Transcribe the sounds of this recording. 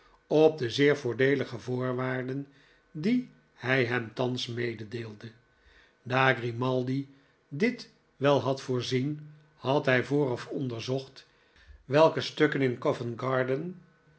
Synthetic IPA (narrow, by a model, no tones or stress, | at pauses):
ɔb̚dəzɪːɹvʊːɹdejləχəvʊːɹʋaːɹdən | di | hɛjɦɛmtɑnsmejdədeːlˠdə | daːɡrimɑlˠdi | dɪt | ʋɛlˠɦɑtfʊːɹzin | hɑtɦɛjvʊːrɑfɔndəɹzɔχt | ʋɛlˠkəstøkənɪnkɔvənɡɑɹdən